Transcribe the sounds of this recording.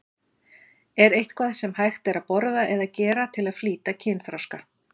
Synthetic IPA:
ɛɾejht̪kʰvaːðsɛmhajxt̪ɛɾapɔɾðaʔɛðaðcɛːɾat̪ʰɪlaðfliːt̪acʰɪnθɾawska

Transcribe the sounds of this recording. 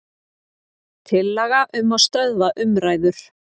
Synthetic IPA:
t̪ʰɪlːɛɣaʔʏmːaðst̪œðvaʔʏmɾaːjðʏɾ̥

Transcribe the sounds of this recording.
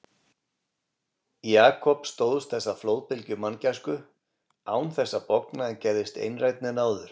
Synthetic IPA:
jaːkʰɔpst̪oːwðʏst̪θɛsːaflowðpɪlcʏmancaskʏ | aːwnθɛsːapɔknaɛncɛɾðɪst̪ḛjnrajt̪nɪnaːwðʏɾ̥

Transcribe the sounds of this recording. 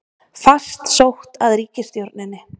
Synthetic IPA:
fast̪sowht̪aðɾiːcɪst̪jowɾt̪nɪnːɪ

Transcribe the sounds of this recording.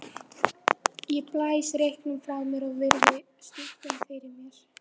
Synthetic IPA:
jɛɣplaːjsrejhknʏmfɾawmjɛɾaɣvɪɾðʏ | st̪ʏht̪ʏmfɪjɾɪɾmɪɾ̥

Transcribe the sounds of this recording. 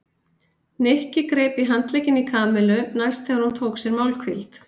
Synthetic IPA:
nehcɪkɾeːjpiɦant̪lejcɪnikʰaːmɛlʏnajst̪θɛɣaɾ̥hunt̪ʰoːwksjɛɾmawlkʰvilt̪

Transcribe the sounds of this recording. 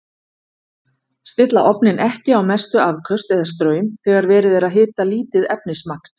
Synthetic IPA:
st̪ɪt̪la̰ʔɔpnɪnʔɛhcɪawmɛst̪ʏavkʰœst̪ɛðas̬t̪ɾœːɥmθɛɣaɾvɛːɾɪðɛɾaðɦɪːt̪aliːt̪ɪðɛp̚nɪsmakn̥

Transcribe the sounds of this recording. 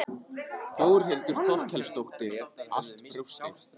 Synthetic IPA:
θoːwɾ̥ɦejlt̪ʏɾ̥θɔlcʰɛlst̪owht̪ɪɾa̰l̥t̪ʰɾust̪ɪ

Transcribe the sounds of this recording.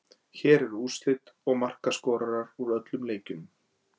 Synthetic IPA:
çɛːɾɛɾuːst̪lɪt̪ɔɣmar̥kaskɔːɾaɾaɾuɾœt̪lʏmleːjcʏm

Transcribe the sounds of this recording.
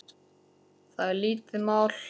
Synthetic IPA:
θaðliːt̪ɪmaːwl̥

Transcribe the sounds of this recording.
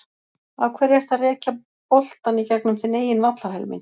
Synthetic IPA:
awkʰvɛːɾɛɾ̥t̪θaðrɛːca | pɔl̥t̪anicɛknʏmsɪneːjɪnvat̪lahɛ̰lmɪ̰n

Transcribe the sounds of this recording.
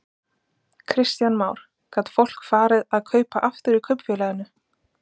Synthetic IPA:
kʰɾɪst̪janmaːwɾ̥ | kat̪fowl̥kfaːɾɪðaðkʰœːɥpaʔaft̪ʏɾikʰœɥpfɛːlɛːɣʏnʏ

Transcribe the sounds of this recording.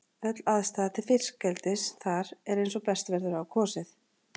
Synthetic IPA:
œt̪laðst̪aːðt̪ʰɪlfɪr̥cɛlt̪ɪsθaɾɛɾejns̬ɔpɛst̪vɛɾðʏɾawkʰɔːsɪθ

